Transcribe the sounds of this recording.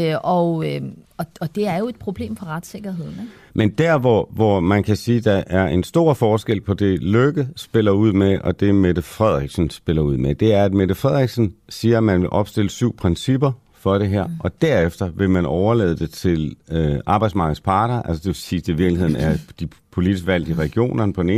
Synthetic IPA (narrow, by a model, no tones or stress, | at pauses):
ɒ | ɒɒ̽d̥e̝æɐjo̝e̝d̥̚pʰʁo̝b̥le̝̰ːmfɒ̽ʁad̥se̝ɡ̥ɐɦe̝ð̰ˠn̩ | mend̥æɐ̰ʋɒʋɒmænkʰæsiːd̥ɑ̈ʔæɐe̝nsd̥o̝ːɐ̰fɒːsɡ̥el̰pʰɒ̽d̥e̝løɡ̥əsb̥e̝lɐuð̞̰ˠmeʔɒ̽d̥e̝med̥əfʁɛð̞̰ˠʁɛɡ̥sn̩sb̥e̝lɐuð̰ˠmed̥e̝æɐæd̥med̥əfʁɛð̰ˠʁɛɡ̥sn̩siːɐmænʋe̝lʔɒ̽b̥sd̥e̝l̰əsyʊ̰pʰʁɛnsib̥ɐ | fɒ̽d̥e̝ɦæɐ̰ʔɒ̽d̥æɐefd̥ɐʋe̝mænɒʊɐlḛːð̞ˠd̥e̝t͡sʰe̝lʔɑ̈ːb̥ɑɪ̥smɑ̈ɡ̥ð̩ˠspʰɑ̈ːd̥ɐʔælsəd̥e̝ʋesiːsd̥iʋiɐɡ̥lihe̝ð̰ˠn̩æɐd̥ipʰo̝li̥isɡ̥ʋæl̰d̥iʁɛɡ̥jo̝̰ːnɐnpʰɒ̥̽eneːn